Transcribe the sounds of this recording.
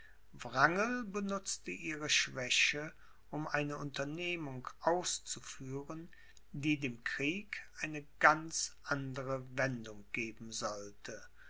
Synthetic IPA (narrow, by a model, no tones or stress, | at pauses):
vʁaŋəlbənʊt͡stəʔiːʁəʃv̥ɛɕə | ʔʊmʔaɪnəʔʊntɐneːmʊŋkʔaʊst͡sufyːʁən | diːdeːmkʁ̥iːkʔaɪnəɡ̥ant͡sʔandəʁəvɛndʊŋɡ̥eːbm̩zɔltʰə